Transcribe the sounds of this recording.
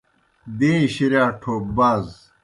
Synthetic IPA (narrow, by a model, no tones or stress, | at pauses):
d̪ẽːɕiɾjaːʈʰoːbaːz